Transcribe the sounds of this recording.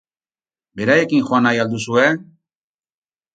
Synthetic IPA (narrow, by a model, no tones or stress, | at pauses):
be̞ɾajekiŋxoanajald̪usue